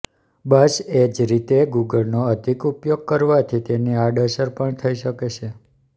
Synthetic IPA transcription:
bəsed͡ʒɾit̪eɡuɡəlnoəd̪ʱikupjoɡ̚kəɾʋat̪ʰit̪eniaɖəsəɾpəɳt̪ʰəiʃəket͡ʃʰe

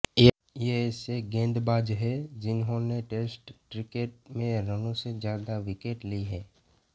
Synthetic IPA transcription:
jeːseɡẽːnd̪baːd͡ʒɦɛd͡ʒɪnɦõneʈeːsʈːɾɪkeːʈ̚mẽɾənõsed͡ʒjaːd̪aʋɪkeːʈliɦɛː

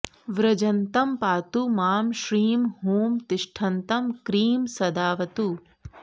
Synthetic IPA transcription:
ʋɾɐd͡ʒɐnt̪ɐmpaːt̪umaːmʃɾiːmɦuːmt̪ɪʃʈʰɐnt̪ɐmkɾiːmsɐd̪aːʋɐt̪u

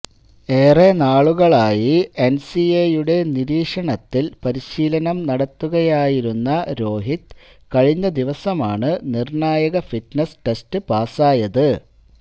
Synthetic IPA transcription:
e̞ːrenaːɭuɣɐɭaːjiensiejuɽe̞niɾiːʂɐɳɐt̪ːilpɐɾiɕiːlɐnɐmnɐɽɐt̪ːuɣɐjaːjiɾunːɐɾo̞ːɦit̪ | kɐɻiɲːɐd̪iʋɐsɐmaːɳɨnirɳaːjɐɣɐfiʈnesʈestɨpaːsaːjɐðɨ

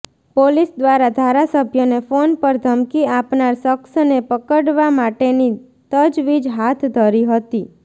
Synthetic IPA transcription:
polisd̪ʋaɾad̪ʱaɾasəbʱjənefonpəɾd̪ʱəmkiapnaɾsəksnepəkəɽʋamaʈeni | t̪əd͡ʒʋid͡ʒɦat̪ʰd̪ʱəɾiɦət̪i

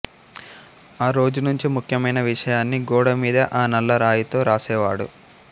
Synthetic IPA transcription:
aːɾo̞ːd͡ʒunuɲt͡ʃimukʰjɐmɐjnɐʋiʂɐjaːnːiɡɔːɽɐmiːd̪ɐʔaːnɐlːɐɾaːjit̪o̞ːɾaːsɛːʋaːɽṵ

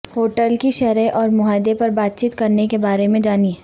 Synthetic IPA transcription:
hoːʈəlkiʃɛɾeʔɔːɾmʊɦaːɪd̪epɐɾbaːt̪̚t͡ʃiːt̪kɐɾnekebaːɾemẽd͡ʒaːniɦɛː

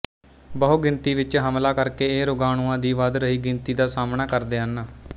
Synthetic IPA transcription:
bəɦoːɡɪnt̪iːʋɪt͡ʃɦəmlaːkəɾkeːeːɾʊɡaːɽ̃uːãːd̪iːʋad̪ɾəɦiːɡɪnt̪iːd̪aːsaːmnaːkəɾd̪eːɦənaː

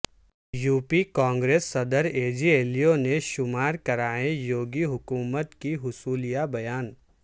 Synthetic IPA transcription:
juːpikãːŋɡɾeːsːɐd̪əɾeːd͡ʒieːlijoneʃʊmaːɾkɐɾaːẽjoːɡiɦʊkuːmət̪kiɦʊsuːlijabɐjaːn

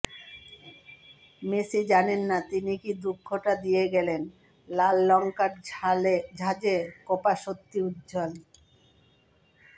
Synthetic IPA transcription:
mesid͡ʑanenːat̪inikid̪ukʰːoʈad̪ijeɡɛlen | lalːɔŋkaɾaled͡ʑʱad͡ʑekopaʃot̪ːiud̪d͡ʑɔl

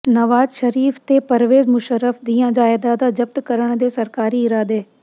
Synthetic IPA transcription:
nɐʋaːzʃɐɾiːft̪epɐɾʋeːzmʊʃəɾəfd̪iːãd͡ʑaːeːd̪aːd̪ad͡ʑɐbt̪kɐɾəɽ̃d̪eːsɐɾkaːɾiɪɾaːd̪eː

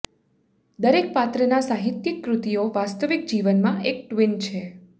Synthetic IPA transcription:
d̪əɾek̚pat̪ɾənasaɦit̪jikːɾut̪ioʋast̪əʋik̚d͡ʒiʋənmãʔek̚ʈʋint͡ʃʰe

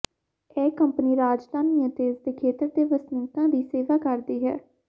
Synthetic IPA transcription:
ɛːkəmpəniːɾaːd͡ʒd̪aːniãːt̪eːɪsd̪eːkʰeːt̪əɾd̪eːʋəsnɪ̃ŋkãːd̪iːseːʋaːkəɾd̪iːɦɛ̰ː

